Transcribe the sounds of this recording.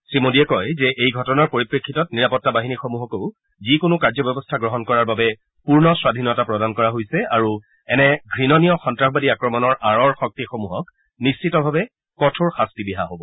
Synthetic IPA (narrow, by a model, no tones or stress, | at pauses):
sɹimodiɛkɔjzɛʔejɡʱɔtɔnaɹpoɹipɹekʰːitɔt̚niɹapɔtːabaɦinixomuɦɔkoʊ | zikʊnʊkaɹzɔbɛɔbɔstʰaɡɹɔɦɔnkɔɹaɹbabɛ | puɹnɔswadʱinɔtapɹɔdankɔɹaɦojsɛaɹu | ɛnɛɡʱɹinɔnijɔxɔntɹaxbadiakɹɔmɔnɔɹʔaɹɔɹxɔk̚tixomuɦɔk | nist͡ʃitɔbʱabɛ | kɔtʰoɹxastibiɦaɦobɔ